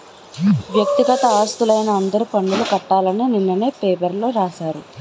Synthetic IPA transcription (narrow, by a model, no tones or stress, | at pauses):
ʋjɐk̚t̪iɡɐt̪ɐaːst̪ulɐjnɐːnd̪ɐɾupɐɳɖulukɐʈːaːlɐnininːɐneːpeːpɐɾlo̞ːɾaːʃaːɾu